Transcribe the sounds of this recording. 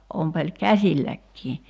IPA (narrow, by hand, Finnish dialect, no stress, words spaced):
ompelʲ kæsʲilːækːiː